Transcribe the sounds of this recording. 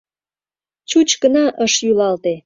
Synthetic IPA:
t͡ɕut͡ɕkənɑʔəʃjylɑlt̪e

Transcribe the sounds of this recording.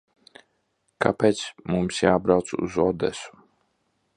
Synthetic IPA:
ka̰peːt̪smumsjaːbɾawt̪sṵzɔd̪ɛsu̥

